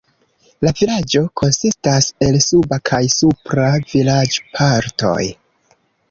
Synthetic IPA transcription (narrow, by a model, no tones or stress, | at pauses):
lavilad͡ʒo̞kʰo̞nsistase̞lsubakʰajsupɾavilad͡ʒpʰaɾto̞̰j